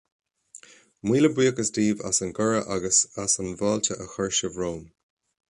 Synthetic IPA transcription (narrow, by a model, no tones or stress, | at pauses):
mwiːləbwiːəkəsdiːva̰sənɡəɹəʔaɡəsasənvɑːlt̪ʰəʔəxəɹʃəvɹoːm